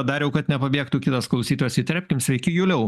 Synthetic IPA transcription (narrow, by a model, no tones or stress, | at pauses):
ɐd̪ɑːɾʲjɛʊkɐt̪nʲɛpɐbʲiɛkt̪uːkʲɪt̪ɐsklˠɐʊsʲiːt̪ojɛsɪt̪ʲɾʲæːpʲkʲɪmsʲʋʲɛɪkʲɪjuːlʲɛʊ